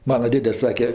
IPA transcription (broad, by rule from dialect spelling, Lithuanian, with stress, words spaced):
ˈmɑːnɐ ˈdʲeːdʲɛ ˈsɑːkʲɛ